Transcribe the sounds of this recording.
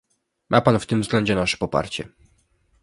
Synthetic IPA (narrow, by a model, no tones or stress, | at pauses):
mʔapanft̪ɘmvzɡlɛɲd͡ʑɛnaʂɛ̥pɔpa̰ɾt͡ɕɛ̰